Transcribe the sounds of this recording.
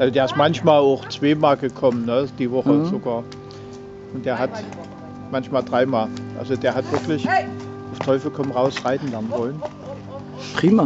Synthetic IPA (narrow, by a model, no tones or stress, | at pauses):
ʔalzod̥eːɐɪstmançmaːlaʊxt͡sv̥eːmaːlɡəkʰɔmənnəd̥iːvɔχəz̥oɡaːɐ | ʔʊntd̥eːɐɦat | mançmaːldʁaɪmaːlʔa̰lzod̥eːɐɦatv̥ɪɐklɪç | ʔaʊftʰɔʏfl̩kʰɔmənʁaʊsʁaɪtn̩lɛɐnənvɔlən | pʁiːma